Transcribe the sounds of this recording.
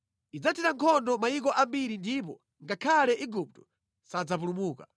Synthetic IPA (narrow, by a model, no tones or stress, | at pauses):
id͡zatʰitaŋkʰɔndɔmaikɔʔambiɾindip̬ɔ | ŋɡakʰalɛʔiɡup̚tɔ̥ | sad͡zap̬ulumuːka